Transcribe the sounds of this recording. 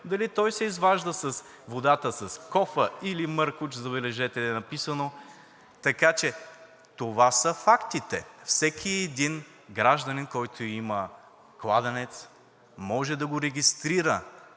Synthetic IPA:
d̪ɐlit̪ɔjsɛizvaʒd̪əsɐs | vod̪at̪əsɐskɔfəilimɤɾkʊt͡ʃzɐβɛlɛʒɛt̪ɛlɛnɐpisəno | t̪ɐkat͡ʃɛ | t̪ovasəfakt̪it̪ɛ̰fsɛkʰiɛd̪in | ɡɾaʒd̪ɐninkɔjt̪ʰoimɐ | klˠad̪ɐnɛt̪s | mɔʒɛd̪ɐɡoɾɛɡʲist̪ɾiɾə

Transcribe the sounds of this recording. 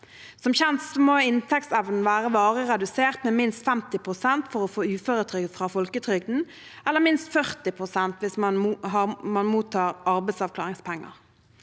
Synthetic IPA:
sɔmçɛnssɔmoɪnt̪ʰɛk̚tsɛʋnn̩ʋæːʁəʋɑːʁəʁɛd̪ʉseːʁt̪meːmɪnst̪fɛmt̪ɪpʰʁʊsɛnt̪fɔʁɔfoːʉːføːʁət̪ʰʁʏɡəfʁɑːfɔlkət̪ʰʁʏɡd̪n̩ | ɛləmɪnst̪fœʁt̪ɪpʰʁʊsɛnt̪ʋɪsmnɦɑmɑnmuːt̪ʰɑːʁɑɾbɛɪsɑʋklɑːʁɪŋspʰɛŋːə̰ʁ

